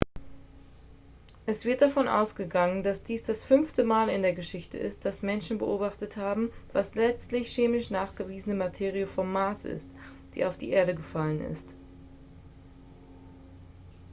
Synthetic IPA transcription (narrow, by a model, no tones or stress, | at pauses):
ʔɛsv̥ɪɐt̚d̥afɔnʔa̰ʊsɡ̥əɡaŋəndasd̥iːsd̥asfʏnftəmaːlɪndeːɐɡəʃɪçtə̰ʔɪ̰st̚d̥asmɛnʃn̩bəʔoːbaχtəthaːbm̩vaslɛt͡stlɪçʃeːmɪʃnaːχɡ̥əviːzənəmatʰeːʁiəfɔmːaːsʔɪ̰st | d̥ḭːʔaʊfd̥ḭːʔeːɐɾəɡəfalənɪ̰st